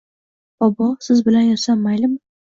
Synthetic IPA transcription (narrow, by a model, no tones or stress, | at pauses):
bɒbɒsɪzbɪlanjɒsamːajlɪm